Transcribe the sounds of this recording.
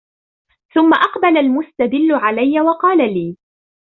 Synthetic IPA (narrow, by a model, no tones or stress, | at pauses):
θʊmːaʔɑqbalalmʊst̪ad̪ɪlːʊʕalajːawɑqɑːlaliː